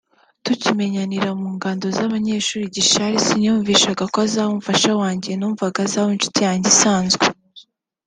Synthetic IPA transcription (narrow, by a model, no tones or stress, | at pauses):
tucime̞ɲaniɾamuːŋɡaːndo̞zaβaɲe̞ːʃuːɾiɟiʃaɾisiɲuːɱviːʃaɡakwazaːhomufaʃawaːɲɟienuːmuvaɡazaːhonʃu̥tijaːɲɟesaːnzɡwe